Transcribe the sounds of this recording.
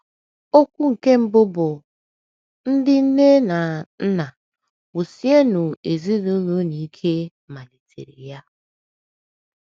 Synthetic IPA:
o˦kʷu˦ŋ̩˨ke˦m̩˦bʊ˦bʊ˨ | n̩˦dɪ˦n̩˦ne˦na˨n̩˦na˨ | wu˨sje˦nu˨e˨zi˦ɾu˦nu˦ni˨˦kʰe˦ | ma˨li˨tḛ˨ɾḭ˨ja˦

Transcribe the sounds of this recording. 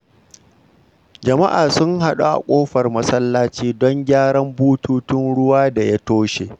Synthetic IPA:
d͡ʒɐ˨ma˦ʔaː˨sʊ˦ŋha˦ɗu˦ʔa̰˨kʷʼoː˦ɸɐ˨rmɐ˦sɐ˦lːaː˦t͡ʃiː˦dɔ˦ŋɡʲaː˦ɽɐ˦mbuː˦tuː˦tʊ˦nɽʊ˦waː˦da˨ja˦toː˦ʃe˨

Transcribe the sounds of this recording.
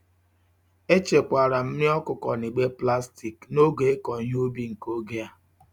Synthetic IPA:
e˦t͡ʃe˨kʷa˨ɾa˨m̩˦nɪ˦ɔ˦kʊ˨kɔ˨ni˨ɡ͡be˦pla˦sti˨kno˦ɡe˨e˦kɔ˨˦ɲ˦o˦bi˦ŋ̩˨ko˦ɡe˦a˦

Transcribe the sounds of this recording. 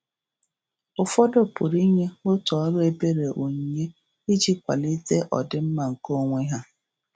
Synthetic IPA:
ʊ˨fɔ˦do˦pʊ˨ɾi˦ɲe˦ʊ˦tɔ˨˦ɾʊ˦e˦be˦ɾe˨ʔo˨ɲe˦ | i˦d͡ʒi˦kʷa̰˨li˦te˦ʔɔ̰˨dɪ˦m̩˦ma˨ŋ̩˨ko˦ŋʷe˦ɦa˦

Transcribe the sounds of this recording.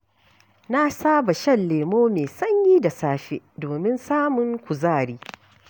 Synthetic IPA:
na˦saː˦ba˨ʃɐ˦nleː˨moː˦meː˨sɐ˦ɲjiː˦da˨saː˦ɸe˦doː˨mɪ˦nsaː˦mʊ˨ŋkʷʊ˨zaː˦˨ɾiː˦

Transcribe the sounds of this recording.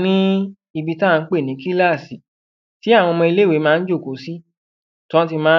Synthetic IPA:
nĩ˦ | i˧bi˧ta˦˨˧n̩˦k͡pe˦˨nĩ˨˦ki˦la˦˨si˨ | ti˦a˦˨w̃ɔ̃˧mɔ̃˧i˧le˦we˨˦mãː˦˧n̩˦d͡ʒo˦˨ko˨˦si˦ | tɔ̃˦t̬i˧mãː˦

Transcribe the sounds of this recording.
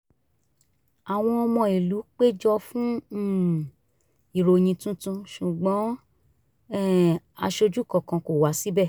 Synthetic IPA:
a˨w̃ɔ̃˧ɔ˧mɔ̃˧i˨lu˨˦k͡pe˦d͡ʒɔ˧fũ˦˨ | i˨ɾo˨j̃ĩ˧tũ˦tũ˧ʃu˨ɡ͡bɔ̃˨˦ | a̰˧ʃo˧d͡ʒu˦˨kɔ̃˨kã˧ko˨wa˨˦si˦bɛ˦˨

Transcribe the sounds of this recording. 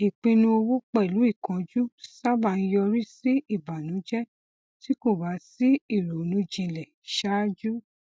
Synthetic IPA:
i˨k͡pĩ˧nũ˧o˧wu˦k͡pɛ˦˨i˨lu˨˦i˦˨kã˧d͡ʒu˦sa˦ba˨˧˨nĩ˧jɔ˧ɾi˦si˦i˦˨ba˨nũ˨˦d͡ʒɛ˦ | ti˦ko˦˨ba˨˦si˦i˦˨ɾo˨nũ˨˦d͡ʒĩ˧lɛ˨ | ʃa˦d͡ʒu˦

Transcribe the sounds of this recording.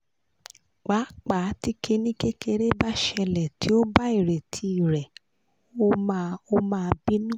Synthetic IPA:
k͡pa˨˦k͡pa˨˦ti˦ke˧nĩ˦ke˦ke˧ɾe˦ba˦ʃɛ˧lɛ˨tʰi˨˦o˦ba˦i˦˨ɾe˨tʰi˧˦i˨ɾɛ˨ | o˦ma˧o˦˧mãː˦˧bi˦nũ˦˨

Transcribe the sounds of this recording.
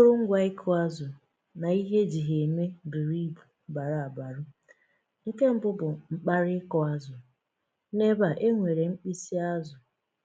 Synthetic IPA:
ʊ˦ɾʊ˦ŋ̩˦ɡʷa˦ɪ˦kʰɔ˦a˦zʊ˨ | na˨i˦ɦe˦d͡ʒi˨ɦe˨me˦dʊ˨ɾi˦bu˨ba˨ɾa˨a˨ba˨ɾʊ˦ | ŋ̩˦ke˦m̩˦bʊ˦bʊ˨ŋ͡m̩˨k͡pa˦ɾɪ˦kɔ˨a˦zʊ˨ | ne˦ba˨ʔe˦ŋʷe˨ɾe˨ŋ͡m̩˦k͡pi˦si˦a˦zʊ˨

